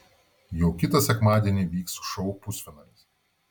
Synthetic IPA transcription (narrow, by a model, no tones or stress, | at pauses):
jɛʊkʲɪt̪ɐsʲɛkmɑːd̪ʲiɛnʲiʋʲiːksʃɔʊpʊsʲʋʲɛnɐɪs